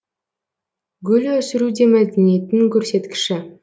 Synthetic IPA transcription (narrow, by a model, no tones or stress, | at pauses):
ɡʲɵlɵsɪɾud̪e̞mæd̪enijet̪ɪŋkʲʰɵɾse̞t̪kʲɪ̥ʃɪ